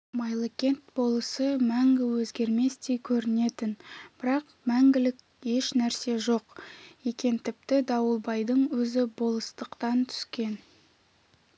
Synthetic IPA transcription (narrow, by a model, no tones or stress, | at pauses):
mɑjlˠekʲe̞nt̪̚bo̞lˠəsəmæŋɡʲɪwɵzɡʲe̞ɾme̞st̪e̞jkʲʰɵɾɪne̞t̪ɪnb̥ɪɾɑq | mæŋɡʲɪlɪkʲ | je̞ʃnæɾse̞ʒo̞qje̞kʲe̞nt̪ʰɪp̚t̪ɪd̪ɑwəlˠbɑjd̪əɴwɵzɪbo̞lˠəst̪əqt̪ɑnt̪ʰʏ̥skʲe̞n